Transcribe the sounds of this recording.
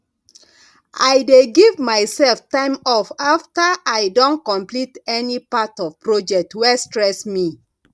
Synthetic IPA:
ajdeɡivmaɪsɛlftãɪ̃mɔfaftaʔajdõnkɔ̃mplitɛnipatɔvpɹɔd͡ʒɛk̚twɛstɹɛsmi

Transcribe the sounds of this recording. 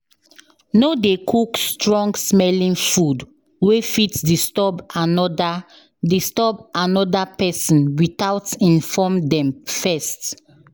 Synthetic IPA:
nodekʰukstɹɔ̃ŋɡsmɛlĩnfud | wefitdistɔbanɔda | distɔbanɔdapɛsɔ̃nwitaʊtĩnfɔmdɛ̃mfɛst

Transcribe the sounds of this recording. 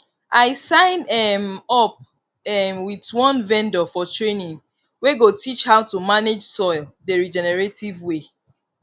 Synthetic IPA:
ʔaɪsãɪ̃nɛmɔp̚ | ɛmwitwɔ̃nvɛ̃ndɔfɔtʰɹenĩŋ | weɡotʰit͡ʃhaʊtumaned͡ʒsɔɪldəɹid͡ʒɛnɛɹetivwe

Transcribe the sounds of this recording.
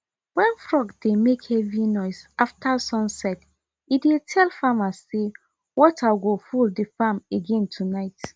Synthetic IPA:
wɛ̃nfɹɔɡdemekhɛvinɔɪsaftʰasɔ̃nsɛt | idetʰɛlfamasːe | wɔtʰaɡofuldifameɡɛ̃ntʰunaɪt

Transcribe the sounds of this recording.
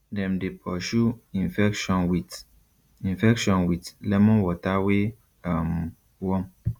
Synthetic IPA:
dɛ̃mdepʰɔʃuĩnfɛkʃɔ̃nwit | ĩnfɛkʃɔ̃nwitlɛmɔ̃wɔtawe | am | wɔ̃m

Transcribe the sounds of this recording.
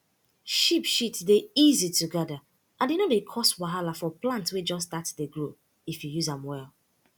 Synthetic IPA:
ʃipʃitdeizitʰuɡada | ʔãndenodekʰɔswaɦalafɔplãntwed͡ʒɔsdatdeɡɹo | ifjujuzãmwɛlˠ

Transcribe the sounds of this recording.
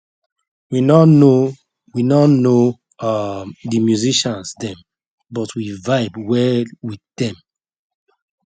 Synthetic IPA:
winɔno | winɔno | dimjuziʃãnsdɛ̃m | bɔtwivaɪbwɛwiθdɛ̃m

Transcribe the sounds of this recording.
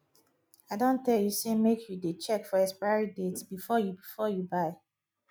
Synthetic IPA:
aɪdõntɛljusemekʰjudet͡ʃɛkfɔɛspaɪɹidetbifɔjubifɔjubaɪ

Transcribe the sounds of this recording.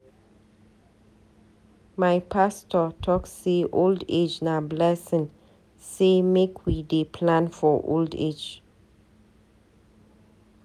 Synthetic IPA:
majpʰastɔtʰɔkseʔolded͡ʒnablɛsɪ̃ŋ | semekʰwidepʰlãnfɔʔo̰ldḛd͡ʒ

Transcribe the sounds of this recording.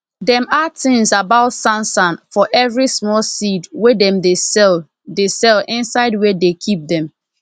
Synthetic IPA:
dɛ̃matʰɪ̃ŋsabaʊtsãnsãnfɔʔɛvɹismɔlˠsidwedɛ̃mde | desɛlʔɪ̃nsaɪd̚wedekʰip̚dɛ̃m

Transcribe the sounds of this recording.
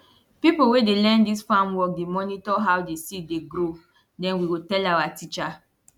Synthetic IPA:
pipowedelɛ̃ndisfãmwɔk̚demɔnitɔɦawdesit̚deɡɾo | dɛ̃nwiwotɛlawatit͡ʃa

